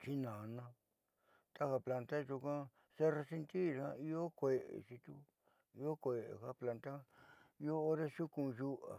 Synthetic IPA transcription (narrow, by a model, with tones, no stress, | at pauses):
t͡ʃi˦nã˨˧nã˦ | t̪a˦ha˧pla˧nt̪a˦˧ʒu˧kã˦ | se˦re˧si˦˧nt̪i˦˨ã˦i˦o˦kʷe˧ʔḛ˨ʃi˧t̪u˦ | i˧o˦kʷe˨ḛ˨ha˦pla˧nt̪a˦i˧˦o˦o˦ɾe˦ʃu˦kũ˧ʒu˦ʔa̰˨